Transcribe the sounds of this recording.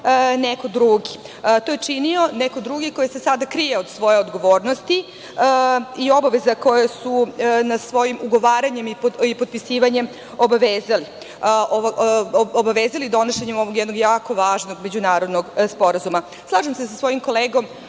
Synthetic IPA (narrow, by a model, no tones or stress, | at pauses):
neko̞d̪ɾuɡi | t̪ojet͡ʂinio̞neko̞d̪ɾuɡiko̞jesesad̪akɾijeod̪sʋo̞jeod̪ɡo̞ʋo̞ːɾnost̪i | io̞baʋezako̞jesunasʋo̞jimuɡo̞ʋaːɾaɲe̞mipipod̪̚pisiːʋaɲe̞m | o̞baʋeːzali | ʔo | obaʋeːzalid̪o̞noʃeɲemo̞ʋoɡjɛd̪no̞ɡjaːko̞ʋaːʒno̞ɡme̞d͡ʑunaːɾo̞d̪noɡspo̞ɾazuma | slˠaːʒemsesasʋo̞jimko̞leːɡo̞m